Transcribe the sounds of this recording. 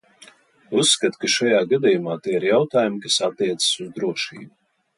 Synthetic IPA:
usːkat̪kaʃajaːɡad̪ijumaːt̪iːiɾjawt̪aːjumkasat̪ːiɛt̪sə̥suzd̪ɾuɔʃḭːbu

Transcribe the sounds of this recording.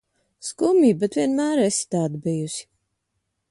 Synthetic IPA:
skumʲiːbɛt̪vʲiɛnmæːɾest̪aːd̪bijusʲi̥

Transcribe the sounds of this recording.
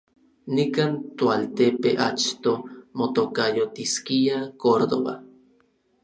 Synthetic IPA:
nikaːnt̪oalt̪epeʔa̰t͡ʃt̪omot̪okajot̪iskiakoɾd̪o̰βa̰

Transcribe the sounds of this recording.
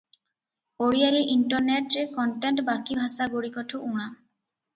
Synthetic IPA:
oɽijaɾeʔiɳʈɔɾneʈɾekɔɳʈeɳʈbakibʱasaɡoɽikɔʈʰuʔuɽ̃a

